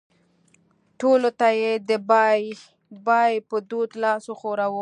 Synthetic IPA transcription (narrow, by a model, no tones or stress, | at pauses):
ʈolot̪ajed̪əbj | bɑjpəd̪ud̪lɑsoxoɾawə